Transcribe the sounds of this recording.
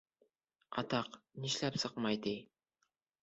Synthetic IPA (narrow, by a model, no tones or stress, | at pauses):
ɑ̰t̪ɑqniʃlæpsɤqmɑjd̪ej